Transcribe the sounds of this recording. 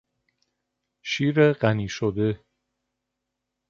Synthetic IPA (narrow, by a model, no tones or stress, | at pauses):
ʃiːɾeɢæniːʃod̪e